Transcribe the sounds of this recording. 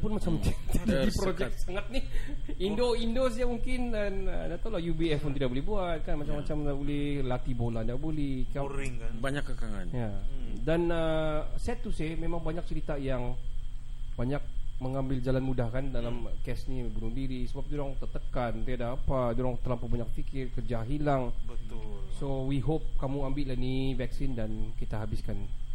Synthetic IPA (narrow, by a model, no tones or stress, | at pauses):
pʊnmat͡ʃamt͡ʃit̪idaipɾod͡ʒɛk̪saŋat̪̚niindoindosamuŋkɪnanənat̪awlahjubiɛfpʊnt̪idak̚bolɛhbuat̪̚kanmat͡ʃamːat͡ʃamabolɛhlat̪ibolat̪idak̚bolɛkaiŋbaɲakːəkaŋa̰njadanəsɛt̪usɪhmemaŋbaɲak̚t͡ʃəɾit̪ajaŋ | baɲak̚məŋambɪld͡ʒalanmudahkandalamkɛsnibunudiɾisəbap̚duɾaŋt̪ət̪əkant̪iadaːpaduɾaŋt̪əlampabaɲak̚fikɪrkərd͡ʒaɦilaŋbət̪ʊsowiɦop̚kamuambɪʔlanivɛksɪndankit̪aɦabɪskan